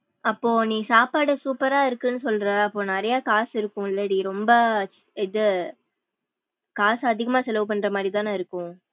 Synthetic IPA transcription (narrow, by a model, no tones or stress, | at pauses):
ɐpːoːnĩːsaːpaːɽɯsuːpɐɾaːɪɾɯkːɯnːɯsɔlɾɐɐpːoːnɐɾɐjaːkaːsɪɾɯkːʊ̃ɪlːɐɽiɾɔmbɐ | ɪðɯ | kaːsɐd̪ɪɣɐmaːsɛlɐʋɯp̬ɐnɳːɾɐmaːdðɾit̪aːnːɪɾɯkːʊ̃